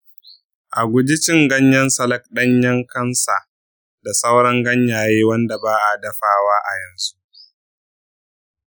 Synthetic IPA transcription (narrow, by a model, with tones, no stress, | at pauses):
ʔa˨ɡʷʊ˨d͡ʒi˦t͡ʃɪ˦ŋɡɐ˦ɲjɐ˦nsɐ˦lɐ˦k̚ɗɐ˦ɲjɐ˦ŋkɐ˦nsa˨ | da˨sɐ˦wɽɐ˦ŋɡɐ˦ɲjaː˨jeː˦wɐ˦nda˨baː˦ʔa˨dɐ˦ɸaː˦waː˦ʔa˨jɐ˨nzu˦ʔ